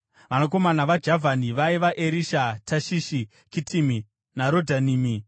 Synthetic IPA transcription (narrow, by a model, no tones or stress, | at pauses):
ʋanoko̞manaʋad͡ʒavʱaniʋaiʋaʔeɾiʃatʰaʃiʃi | kitʰimi | naɾo̞dʱaniːmi